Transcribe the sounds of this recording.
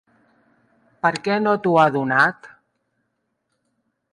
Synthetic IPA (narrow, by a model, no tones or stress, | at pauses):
pəɾkɛnot̪uaðunat̪